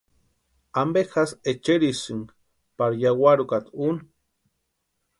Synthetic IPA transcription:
ambexaset͡ʃeɾisɨŋ | paɾjawaɾukat̪un

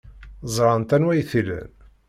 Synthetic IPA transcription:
zˤɾˤɑnt̪ænwæjθilæ̰n

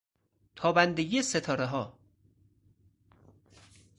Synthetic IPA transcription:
t̪ʰɒːbænd̪eɡiːeset̪ʰɒːɾeɦɒː

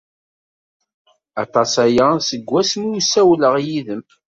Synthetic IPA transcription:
ɑt̪ˤɑsæjasəɡːæsmusæwləʁjiðəm

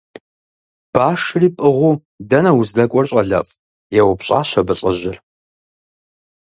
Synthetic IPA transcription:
b̥aːʂɨriːpʼɨʁʷuː | dɐnɐwʊzdɐkʷʼɔrɕʼɐɮɐ̰fʼ | jɛwʊpɕʼa̰ːɕʷɐbɨɕʼɐʑɪr

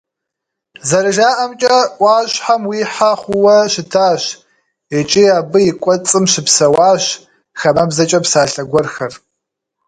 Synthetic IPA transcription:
zɐɾɨʒaːʔɐmt͡ʃʼɐʔʷɑːɕħamwiːħaχʷʊwɐɕɪtʰaːɕ | ɛt͡ʃʼiaːbɨjɪkʷʼɔt͡sʼɨmɕɪpsɐwaːɕ | xɐmɐbzɐt͡ʃʼɐpsaːɬɐɡʷɔrxɐr

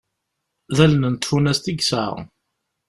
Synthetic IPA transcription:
ðælnənt̪funæst̪iɡsə̰ʁ

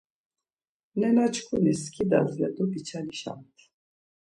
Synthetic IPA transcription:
nɛnat͡ʃʰkʰuniskʰid̪a̰zlɛd̪ubit͡ʃʰaniʃa̰mt̪ʰ

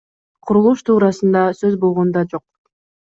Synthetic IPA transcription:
qʰuɾulˠuʃt̪ʰuːɾɑsɯnd̪ɑsøzbo̞lˠʁo̞nd̪ɑd͡ʒo̞q̚

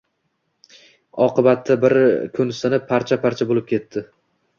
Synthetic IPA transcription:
ɒqʰɨbat̪ʰːabɪɾkʰʊnsɪnɪpʰːaɾt͡ʃʰapʰaɾt͡ʃʰabolɪp̚kʲʰe̞t̪ːɪ

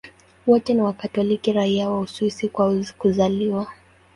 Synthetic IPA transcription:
wɔtɛniwakatɔlikiɾaiawaususikwakuzaliwa

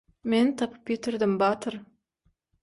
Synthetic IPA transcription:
ment̪ʰɑpʰə̥p̚kʲet̪ɪɾd̪ɪmbɑt̪ʰəɾ

